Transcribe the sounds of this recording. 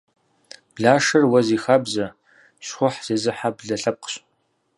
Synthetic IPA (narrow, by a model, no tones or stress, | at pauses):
b̥ɮaːʂɐrwɐziːxɐbzɐ | ɕχʷʊħz̥eːzɨħabɮɐɬɐp̚qə̥ɕ